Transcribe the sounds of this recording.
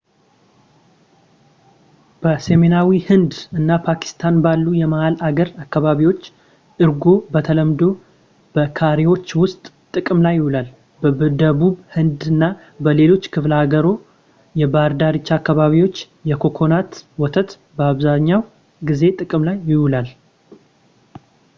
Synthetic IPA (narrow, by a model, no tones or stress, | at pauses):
b̥əse̞menawihɨnd̪ɨnːapʰaki̥st̪ʰanbalːujɛmahalaɡəɾakːaβaβiwo̞t͡ʃː | ʔɨɾɡo̞bət̪ʰələmd̪o̞ | b̥əkʰaɾewo̞t͡ʃːwʊst̪ʼ | t̪ʼɨkʼɨmlajːɪhulal | bəd̪əβuβhɨnd̪ɨnːa | bəle̞lo̞t͡ʃːkʰɨflhaɡəɾo̞ | jɛbaɾd̪aɾit͡ʃːakːaβaβiwo̞t͡ʃː | jɛkʰo̞kʰo̞nat̪wɔt̪ʰət̪ | bəaβzaɲːaw | ɡize̞t̪ʼɨkʼɨmlajːɪhulal